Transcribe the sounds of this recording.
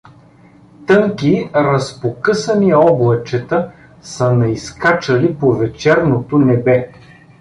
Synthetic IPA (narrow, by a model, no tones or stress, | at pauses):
t̪ɤŋkiɾəspokɤsəniɔblˠɐt͡ʃɛt̪ə | sənɐiskat͡ʃəlipovɛt͡ʃɛɾnot̪onɛbɛ